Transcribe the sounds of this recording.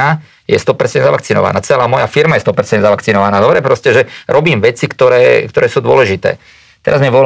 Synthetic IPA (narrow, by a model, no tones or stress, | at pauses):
a | jɛst̪ɔpɛɾt͡sɛndzaʋakt͡sinɔ̰ʋa̰naːt͡sɛlaːmɔjafiɾmajɛst̪ɔpɛɾt͡sɛnd̪zaʋakt͡sinɔʋanaːd̪ɔbɾɛpɾɔscɛʒɛɾʔɔbiːmʋɛt͡sikt̪ɔɾɛːkt̪ɔɾɛːsuːd̪ʊɔ̰lɛʒit̪ɛ̰ː | t̪ɛɾazmɛʋɔ